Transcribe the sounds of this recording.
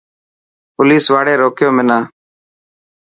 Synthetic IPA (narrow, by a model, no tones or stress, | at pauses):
pʊliːsʋaːɽeːɾoːkɪjoːmɪnaː